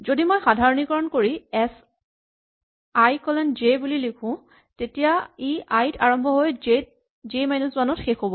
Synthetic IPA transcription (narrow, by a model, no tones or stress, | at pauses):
zodimojxadʱaɹɔnikɔɹɔnkoɹiɛs | ajkɔlɛnd͡ʒebulilikʰʊ̃ | tetijaiʔajitʰaɹɔmbʱɔɦoje | d͡ʒemajnuswanɔtxexobɔ